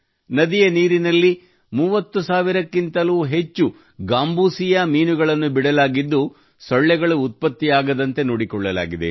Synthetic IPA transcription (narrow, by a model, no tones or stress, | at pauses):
nɐd̪ijɐniːɾinɐlːi | muːʋɐt̪ːusaːʋiɾɐkːint̪ɐluːɦe̞t͡ʃːu | ɡaːmbuːsijɐmiːnuɡɐɭɐnːubiɽɐlaːɡid̪ːu | sɔɭːɛɡɐɭuːt̪̚pɐt̪ːijaːɡɐd̪ɐnt̪e̞noːɽikɔɭːɐla̰ːɡid̪e̞̰